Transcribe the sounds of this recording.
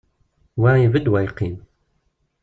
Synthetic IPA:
wæivəd̪wæjqːin

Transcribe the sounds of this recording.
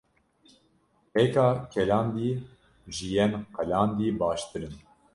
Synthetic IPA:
pɛkɑːkʰʲɛlɑːnd̪iː | ʒɨjɛnqɛlɑːnd̪iːbɑːʃt̪ɨɾɨn

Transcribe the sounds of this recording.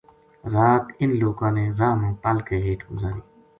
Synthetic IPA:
ɾaːt̪ɪnloːkãːneːɾaːmõːpəlkeːɦeːʈʰɡʊzaːɾiː

